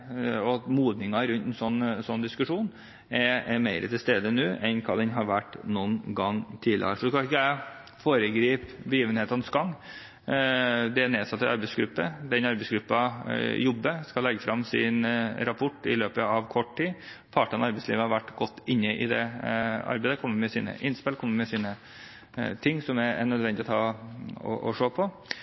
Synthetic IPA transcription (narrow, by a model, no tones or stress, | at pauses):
ɔmuːd̪nɪŋɑɾʉnt̪ɛnsɔnːsɔnːd̪ɪskʉʂuːn | ɛɾmeɪɾə̰t̪ʰɪlst̪eːd̪ənʉːʔɛnkʰɑd̪ɛnɦɑɾʋæʈːnuːnɡɑŋːt̪ʰiːlɪ̰ɑ̰ʂɔskɑɪkːæ | foːɾəɡɾiːpbəjiːʋənheːt̪ɑnsɡɑŋː | d̪ɛæneːsɑt̪ːɪʔɑɾbɛɪsɡɾʉpːəd̪ɛnɑɾbɛɪsɡɾʉpːɑjɔbːəskɑlɛɡːəfɾɑmːsɪ̰nɾɑpʰʊʈːɪ̰løːpəɑʋkʰɔʈːʈiːpʰɑːʈənɑɾbɛɪsliːʋəhɑɾʋæʈːɡɔt̪ːɪnːəʔɪ̰d̪ɛɑ̰ɾbɛɪd̪əkʰɔmːəɾmɛsḭːnə̰ʔɪnspɪlkʰɔmːəmɛsiːnə | t̪ʰɪŋːsɔmæɾɛnœd̪ʋɛnd̪ɪɔt̪ʰɑɔ̰ʔɔ̰ʂoːpʰɔ